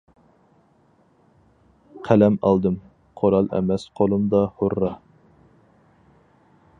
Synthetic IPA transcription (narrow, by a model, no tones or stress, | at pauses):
qʰælɛmɑ̰lˠd̪ɨm | qʰoɾɑlˠɛ̰mɛsqʰolˠumd̪ɑhoɾːɑ